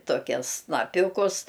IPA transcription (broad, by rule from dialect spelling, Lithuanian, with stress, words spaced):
toːˈkʲɛs snɐˈpʲuːkʊs